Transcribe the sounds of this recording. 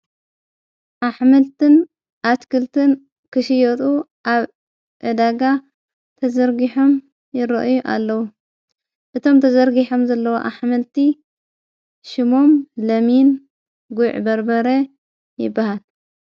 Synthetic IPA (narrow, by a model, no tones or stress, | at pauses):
ʔaħmɐlt̪ɨn | ʔat̪kʰɨlt̪ʰɨn | kʰɨʃɪjot̪ʼu | ʔaβ | ʔɨd̪aɡa | t̪ʰɐzɐɾɡiħo̞m | jɪɾɐ̰ʔjuʔa̰lːɐwu | ʔɨt̪ʰo̞mt̪ʰɐzɐɾɡiħo̞mzɐlːɐwo̰ʔaħmɐlt̪ʰi | ʃɪmo̞mlɐmin | ɡuʕbɐɾbɐɾɐ | jɪ̰bːahal